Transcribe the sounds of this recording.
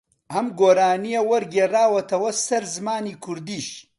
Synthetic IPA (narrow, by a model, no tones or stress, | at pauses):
ʔɐmɡoːɾaːnijewɐɾɡeːraːwɐt̪ʰɐwɐsɐɾzɨmaːniːkʰʊɾd̪iːʃ